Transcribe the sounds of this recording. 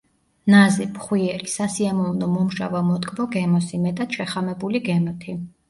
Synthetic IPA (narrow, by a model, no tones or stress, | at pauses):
nazɛpχwiɛlisasiamɔvnɔmɔmʒa̰vamɔt̪ʼkʼvɔɡɛmɔsimɛt̪ʼat̪ʃɛχamɛbuliɡɛmɔt̪ʰi